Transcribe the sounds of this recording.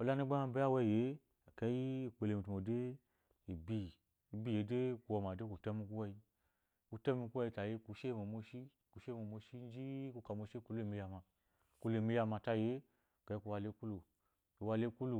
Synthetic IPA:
o˧˨la˦ni˦ɡ͡ba˦a˧˦be˦a˦˨wɛ˦˨je˨˦˨ | kɛ˧˦ji˦˨k͡pe˧le˧mi˨tu˨mo˨de˦ | i˨bi˧˨ | i˨bi˦˨je˨˦de˦ku˨˧wɔ˧˨ma˨de˦ku˨tɛ˦mi˧ku˦wɛ˧i˧ | ku˧tɛ˦mi˧ku˦ɛ˧i˧ta˨je˧˦ku˨˧˦ʃe˦mo˨mo˧ʃi˦ | ku˨˧˦ʃe˦˨mo˧˨mo˧ʃi˦n˦d͡ʒi˦ku˧ka˨mo˧ʃe˦ku˧lu˦e˨mi˧ja˧ma˧ | ku˧le˧˨mi˧˦ja˧ma˧˨ta˧je˨˦˨ | kɛ˧˦i˦ku˧wa˧le˧˦ku˦lu˨ | i˨wa˧le˧˦ku˦lu˨

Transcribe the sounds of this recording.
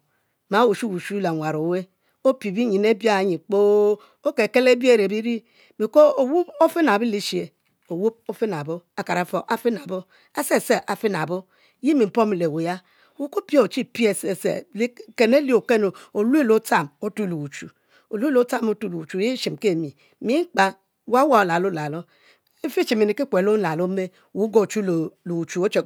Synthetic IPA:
ma˨˦wu˨ʃu˦wu˨ʃu˦la˨ŋʷa˨ɾo˨we˦ | o˦pi˨bi˦ɲi˨ne˦bja˦˨ɲi˨k͡po˦ | o˦ke˨ke˦le˦bi˦e˦˨ɾe˨bi˦ɾi˦ | mi˨ko˦o˨wu˦bo˦fi˦na˨bi˦li˦ʃi˦e˨ | o˨wu˦b̚o˦fi˦na˨bo˦a˨ka˨ɾa˨˦fo˨ʔa˦fi˦na˨bo˦ | e˦se˦˨se˦ʔa˨fi˦n˨a̰˨bo˦ | ji˦mi˨m̩˨po˦mi˨le˨we˨ja˦ | wu˦ko˦pi˦e˦o˨t͡ʃi˦pi˦e˦˨se˨sḛ˨lke˨ne˦li˦o˨ke˦no˨o˨lu˦e˦lo˦ta˦˨mo˦tu˦˨lu˨wu˨t͡ʃu˨ | o˨lu˦e˦lo˦ta˦˨mo˦tu˦˨lu˨wu˨t͡ʃu˨˦ji˦ʃi˨m˨ke˦˨mi˨ | mi˦k͡pa˦ | wa˦wa˦˨o˨la˨lo˦la˨lo˦ | e˦fi˦t͡ʃi˨mi˨ni˨ki˦kʷe˨lo˦la˨lo˦me˦ | wu˨˦ɡo˦˨t͡ʃu˦lo˨lu˨wu˨t͡ʃu˨o˦t͡ʃe˨

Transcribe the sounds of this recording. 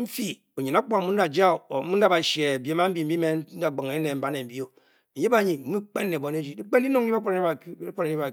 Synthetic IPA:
m̩˦fi˦ | o˨ɲi˨na˨˦k͡pa˨˦mu˦n̩˦a˨d͡ʒa˦˨˦u˦n̩˦da˦ba˨ʃe˨bi˨e˨˦ma˦m̩˦i˦˨m̩˦bi˦me˦n˦n̩˦da˨ɡ͡ba˨ŋe˨˦ne˨m̩˨ba˦ne˨m̩˨bi˦o˦˨ | je˦ba˦ɲi˨m̩˦mu˦k͡pe˦nːe˨bo˨n˦e˦d͡ʒi˦di˦k͡pe˦n˦i˦no˦ŋ˦i˦ba˦k͡po˦ɾa˨kpo˦ɾe˨˦a˨

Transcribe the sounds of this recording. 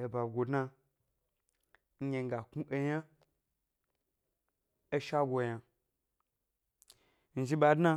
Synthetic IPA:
e˨ba˨ɡʷo˨dna˧ | ɲ̩˦ɲe˨˧ŋ̩˦ɡa˨ku˦ʔe˧ja˦ | e˦ʃa˦ɡʷo˧ja˨ | n̩˨d͡ʒi˦ɓa˧dnã˧

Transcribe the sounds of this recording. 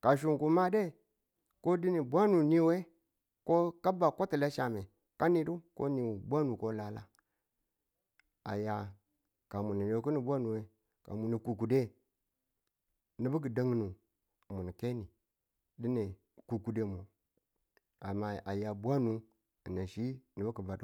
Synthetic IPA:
ka˨ʃ̬u˨ŋku˨ma˦de˦˨ | ko˦di˦ni˨bʷa˦nu˨ni˦we˦ | ko˦ka˦ba˨ko˦ti˨la˦ʃa˨me˨ | ka˦ni˨du˦ko̰˦ni˨bʷa˦nu˨ko˦la˨la̰˦ | a̰˨ja˨ | ka˨mu˨ni˨de˨ku˦ni˨bwa˦nu˨we˨˦ | ka̰˨mu˨ni˨ku˨ku˨de˦ | ni˨bu˦k̬i˨da˦ŋ˦nu˨ | mu˨ni˨ke˦ni˨ | di˦ne˨ | ku˨ku˨de˨˦˨mo˨ | a˨ma˦a˨ja˨bʷa˦nu˨ | i˨na˨ʃi˦ni˨bu˦ki˨ba˨du˦

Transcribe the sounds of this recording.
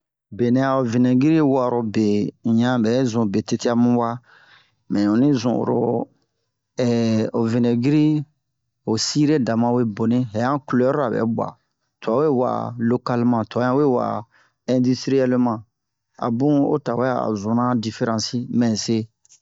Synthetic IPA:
be˨nɛ̃˨a˨o˨vi˨nɛ˨ɡi˦ɾi˦wa˦˨ɾo˨be˨ɲã˦bɛ˨˦zũ˨be˨te˦ti˦a˦mĩ˦wa˦ | mɛ̃˨õ˨nĩ˦zṵ̃˨o̰˨ɾo̰˨ | ɛ˨o˨vi˨nɛ˨ɡi˦ɾi˦ | o˨si˦ɾe˦da˨mã˨we˦bo˨nĩ˦ɦɛ˨jã˦ku˨lo˨˦ɔ˦ɾo˦a˨bɛ̰˨˦bwa̰˨ | to˨a˨˦we˦wa̰˨lo˦ka˦lmã˨tɔ˨˦ã˦we˦˨wa̰˨ | ɛ̃˨di˦stɾi˦ɛ˦lmã˨ | a̰˨bũ˦o̰˦ta˨wɛ˦a˦˨a̰˨zũ˨nã˦di˨fe˦ɾã˨si˦mɛ̃˨se˦

